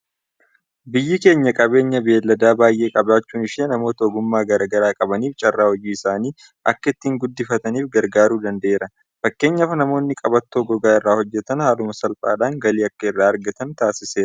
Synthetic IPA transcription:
bɪjːɪke̞ːɲːɐkʼɐbe̞ːɲːɐbe̞ːlːɐd̪aːbaːjʔe̞ːkʼɐbaːt͡ʃːuːnɪʃeːnɐmo̞ːt̪ɐɔɡʊmːaːɡɐɾɐɡɐɾaːkʼɐbɐniːft͡ʃʼɐrːaːhɔd͡ʒiːɪsaːniː | ʔɐkːɐɪt̪ːiːŋɡʊd̪ːɪfɐt̪ɐniːfɡɐɾɡaːɾuːd̪ɐnd̪ɐʔe̞ːɾɐ | fɐkːe̞ːɲːɐfɐnɐmo̞ːnːɪkʼɐbɐt̪ːoːɡɔɡaːɪrːaːhɔd͡ʒːɛt̪ɐnhaːlʊmɐsɐlpʼa̰ːᶑaːŋɡɐliːɐkːɐɪrːaːɐɾɡɐt̪ɐnt̪aːsɪse̞ːɾɐ

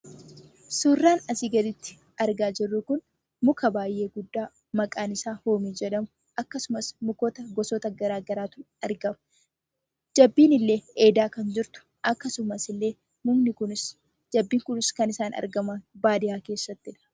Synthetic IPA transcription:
suːrːaːnɐsiːɡɐd̪ɪt̪ːɪ̥ | ɐɾɡaːd͡ʒɪrːukʊn | mʊkɐbaːjːʔe̞ːɡʊd̪ːaː | mɐkʼaːnɪsaːho̞ːmiːd͡ʒɛᶑɐmʊ | ʔɐkːɐsʊmɐsmʊkoːt̪ɐɡɔsɔt̪ɐɡɐɾaːɡɐɾaːt̪ʊn | ɐɾɡɐmɐ̥ | d͡ʒɐbːiːnɪlːe̞ːʔeːd̪aːkɐnd͡ʒɪɾt̪ʊ̥ | ʔɐkːɐsʊmɐsɪlːe̞ː | mʊmnɪkʊnɪs | d͡ʒɐbːiːŋkʊnɪskɐnɪsaːnɐ̰ɾɡɐmɐnbaːd̪ɪjaːke̞ːsːɐt̪ːɪᶑɐ̥

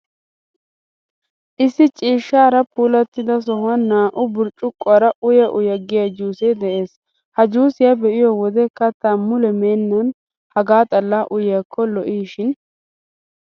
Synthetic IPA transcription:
ʔɪsːɪt͡ʃʼiːʃːaːɾɐpʰuːlɐt̪ːɪd̪ɐs̬ɔhɐnːaːʔʊbʊɾt͡ʃʼːʊkʼːʊaɾɐʔʊjɐʔʊjɐɡɪjad͡ʒuːsɛjd̪ɛʔe̞ːs | hɐd͡ʒuːsɪjɐbɛʔɪjɔwɔd̪ɛkɐt̪ːaːmʊlɛmeːnːɐn | hɐɡaːt̪ʼɐlːaːʔʊjɐkʰːɔlɔʔiːʃɪn

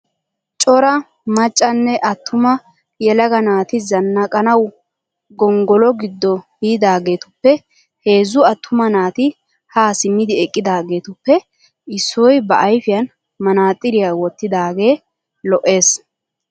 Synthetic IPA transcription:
t͡ʃʼɔɾɐ | mɐt͡ʃʼːɐnːɛʔɐt̪ʰːʊmɐ | jɛlɐɡɐnaːt̪ɪzɐnːɐkʼɐnɐw | ɡɔŋɡɔlɔɡɪd̪ːɔbiːd̪aːɡe̞ːt̪ʊpːɛ | he̞ːzːʊɐt̪ːʊmɐnaːt̪ɪ | haːsɪmːɪd̪ɪɛkʼːɪd̪aːɡe̞ːt̪ʊpːɛ | ɪsːɔjbɐʔɐjfɪjɐn | mɐnaːt̪ʼːɪɾɪjawɔt̪ːɪd̪aːɡe̞ː | lɔʔːe̞ːs

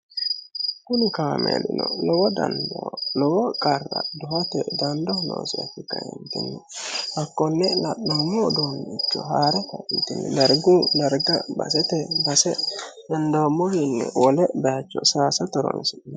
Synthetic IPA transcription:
kʊnɪkaːmḛlɪnɔlɔwɔd̪ɐnd̪ɔlɔwɔkʼɐrːɐd̪ʊhɐt̪ɛd̪ɐnd̪ɔhno̰ːsɪɐfɪkɐɛnt̪ɪnːɛhɐkːɔnːɛlɐɗːomːɔd̪onːt͡ʃːɔɦaːɾɛt̪ɐʔit̪ɪnːɛd̪ɐɾɡud̪ɐɾɡɐbɐ̰sɛt̪ɛbɐsɛdɛnd̪oːmːɔhɪnːɛwɔlɛbɛat͡ʃːɔsaːsɐt̪ɔɾɔ̰nsɪnɛ

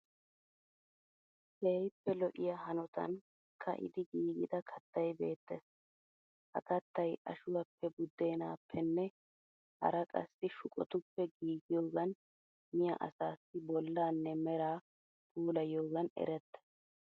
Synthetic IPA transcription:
heːjpːɛlɔʔɪjɐɦɐnɔt̪ɐ̰n | kʰɐ̰ʔɪ̰d̪ɪɡiːɡɪd̪ɐkʰɐt̪ːɐjbe̞ːt̪ːɛs | hɐ̰kɐt̪ːɐjʔɐ̰ʃʊwɐpːɛbʊd̪ːe̞ːnaːpːɛnːɛ | hɐ̰ɾɐkʼɐ̰sːɪʃʊkʼɔ̰t̪ʊpːɛɡiːɡɪjoːɡɐn | mɪjɐ̰ʔɐ̰saːsːɪbɔlːaːnːɛmɛɾaː | puːlɐjoːɡɐnɛ̰ɾɛt̪ːɐ̥

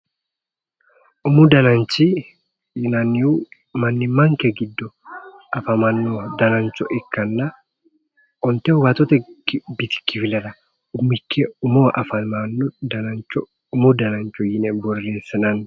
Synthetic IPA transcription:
ʔʊmʊd̪ɐnɐnt͡ʃːi | jɪnɐnːɪu | mɐnːɪmɐŋkɛɡɪd̪ːɔ | ʔɐfɐmɐnːɔd̪ɐnɐnt͡ʃɔʔɪkːɐnːɐ | ʔɔnt̪ɛwɐt̪ɔt̪ɛkbɪt̪ɪ̥kːɪfɪlɐlɐ | ʊmːɪkːɛʊmoʔɐfɐmanːɔd̪ɐnɐnt͡ʃːɔ | ʊmʊd̪ɐnɐnt͡ʃːɔjɪnɛbɔɾːeːsːɐnɐnː

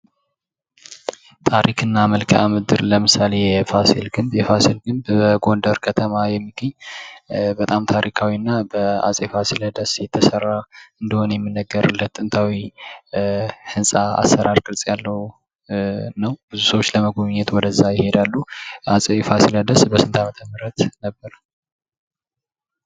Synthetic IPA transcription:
t̪ʰaɾikʰɨnːaməlkʰəʔamɨd̪ɨɾləmɨsalejɛfasilɡɨmbjɛfasilɡɨmbbəɡo̞nd̪əɾkʰət̪ʰəmajɛmːiɡəɲː | bət̪ʼamt̪ʰaɾikʰawinːabəa̰sʼefasiləd̪əsjɛt̪ʰːəsərːaɨnd̪əho̞njɛmːinːəɡːəɾɨlət̪ʼːɨnt̪ʰawi | hɨnsʼaa̰sːəɾaɾkʼɨlsʼjalːəw | nəwbɨzusəwot͡ʃːləməɡoβɲːɛt̪wɔd̪əzːajɪhe̞d̪alːuasʼefasiləd̪əsbəsɨnt̪ʰamət̪ʰəmɨɾət̪nəbːəɾə

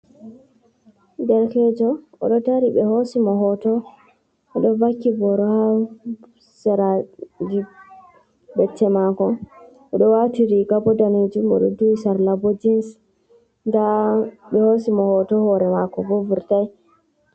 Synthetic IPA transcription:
dɛɾkɛd͡ʒɔ | ɔ̰ɗɔtaɾiɓɛhosimɔɦɔtɔ | ɔɗɔvakːibɔɾɔha | sɛɾad͡ʒi | bɛtːɛmakɔ | ɔɗɔwatiɾiɡabɔdaned͡ʒumɔ̰ɗɔ̰duisaɾlabod͡ʒins | ndaɓɛhosimɔhɔtɔhɔɾɛmakɔbovuɾtaj

